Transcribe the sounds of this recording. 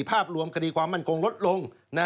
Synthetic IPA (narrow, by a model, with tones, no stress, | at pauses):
pʰaː˥˩p̚ɾu˧əmkʰa˧diː˧kʰwaː˧mːa˥˩nkʰo˧ŋlo˦˥t̪̚lo˧ŋ | na˧